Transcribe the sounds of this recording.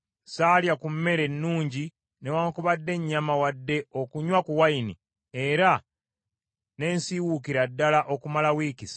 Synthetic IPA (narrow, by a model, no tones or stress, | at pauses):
saːljakumːe̞ɾe̞nːuːɲɟi | ne̞waːŋkuβadːe̞ɲːamawadːe̞o̞kuɲwakuwaini | e̞ɾa | ne̞ːnsiwukiɾadːalaʔo̞kumalawikis